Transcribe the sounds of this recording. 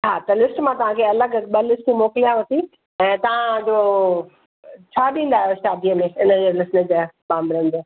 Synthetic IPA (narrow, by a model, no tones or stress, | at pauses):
ɦaːt̪ɐlɪsʈmãt̪ɐʋ̤ãːkʰeɐləɡɓɐlɪsʈimoːkɪlijãʋɐt̪i | ɛ̃ːt̪ɐʋ̤ãd͡ʑo | t͡ɕʰaːɗĩːn̆d̪aːɦijoʃaːd̪ijəmẽɪnəd͡ʑeːlɪsnəd͡ʑaːbãːmbɪɾə̃nd̪oː